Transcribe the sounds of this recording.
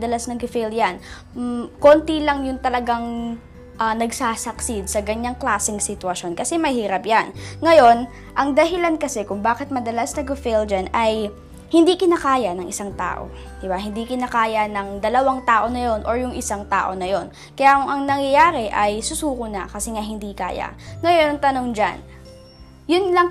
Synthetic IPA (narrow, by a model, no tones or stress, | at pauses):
d̪ɐlasnɐɡʊfɛljan | ko̞ːnt̪ilɐŋjʊŋt̪ɐlɐɡaŋ | ʔɐnɐɡsaːsɐksid̪̚sɐɡɐɲaŋklaːsɪŋsɪt̪wɐʃo̞nkɐsɛmɐjhiːɾɐpjanŋɐjo̞n | ʔɐŋd̪ɐɦɪlankɐsɛkʊŋbaːkɛt̪̚mɐd̪ɐlasnɐɡʊfɛld͡ʒanɐj | hɪnd̪ikɪnakaːjɐnɐŋʔɪsaŋt̪a̰ːʔo̰ | d̪̥ɪbaɦhɪnd̪ikɪnakaːjɐnɐŋd̪ɐlɐwaŋt̪aːʔo̞nɐjo̞nʔoɹjʊŋʔɪsaŋt̪a̰ːʔo̞nɐjo̞n | kɐjakʊŋʔɐŋnɐŋjɐjaːɾɛʔɐjsʊsuːkʊnakɐsɛŋaɦɪnd̪ika̰ːja̰ŋɐjo̞nɐŋt̪ɐnoŋd͡ʒa̰n | jʊnlɐŋ